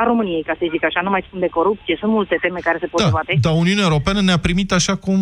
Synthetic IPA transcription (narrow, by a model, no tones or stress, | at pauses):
aɾo̞mɨnije̞jkasəjzikəaʃanumajsunt̪d̪eko̞ɾup̚t̪sijesunt̪mult̪e̞t̪e̞me̞kaɾe̞se̞po̥aat̪e̞d̪auniuneaeuɾo̞peanəneapɾimit̪aʃakum